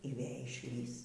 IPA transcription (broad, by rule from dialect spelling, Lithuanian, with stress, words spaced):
iː ˈʋʲeː ɪʃʲˈlʲiːs